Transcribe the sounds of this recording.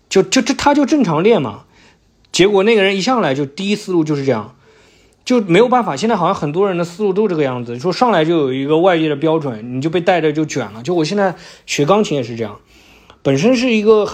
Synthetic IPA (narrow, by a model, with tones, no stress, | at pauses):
t͡ɕo˥˧ʊt͡ɕo˥˩ʊʈ͡ʂt̪ʰa˥t͡ɕjo˥˧ʊʈ͡ʂɤ˥˩ŋʈ͡ʂʰɑ˧˥ŋljɛ˥˩nmɐ̰˩ | t͡ɕjɛ˧˥kwɔ˨˩na˥˩ɡə˩ɻə˧˥ni˧˥ɕɑ˥˩ŋla˧˥ɪt͡ɕo˥˧ʊt̪i˥˧i˥sɹ̩˥˧lu˥˧t͡ɕjo˥˧ʂɻ̩˧ʈ͡ʂɤ˥˧jɑ̰˥˩ŋ | t͡ɕo˥˩ʊm˧˥ɪjo˨˩pa˥˩n˩fa˨˩ɕjɛ˥˧t͡sa˥˩xjɑ˥˩ŋxə˨˩nt̪̬wɔ˥ɻə˧˥nd̪ə˧sɹ̩˥lu˥˧t̪o˥ʈ͡ʂɤ˥˩ɡə˧jɑ˥˩ŋd͡zɹ̩˩t͡ɕʂwɔ˥ʂɑ˥˩ŋla˧˥ɪt͡ɕjo˥˩ʊjo˨˩ʊi˧˥ɡə˧wa˥˧ɪt͡ɕjɛ˥˩d̪ə˩p̬jɑ˥ʊʈ͡ʂwə˧˥˦nni˨˩t͡ɕjo˥˧ʊpe˥˧ɪt̪a˥˩ɪʈ͡ʂə˨˩t͡ɕjo˥˩ʊt͡ɕɥɛ̰˨˩nlə˦t͡ɕjo˥˧˩wɕjnd͡za˥˩ɪɕɥɛ˧˥kɑ˥ŋt͡ɕʰi˧˥ŋjɛ˨˩ʂ̬ɻ̩˧ʈ͡ʂɤ˥˧jɑ̰˥˩ŋ | pə˨˩nʂ̬ə˥nʂ̬ɻ̩˥˩i˧˥ɡə˧